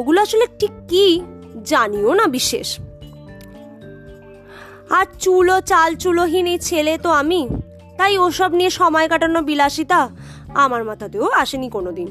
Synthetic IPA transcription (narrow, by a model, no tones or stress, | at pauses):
oɡuloaʃoleʈʰikːid͡ʑanionabiʃːḛʃ | aɾt͡ɕulot͡ɕalt͡ɕuloɦinejt͡ɕʰelet̪oami | t̪ajoʃɔbnieʃɔmɔekaʈanobilaʃit̪a | amaɾmat̪ʰat̪eoaʃenikonod̪in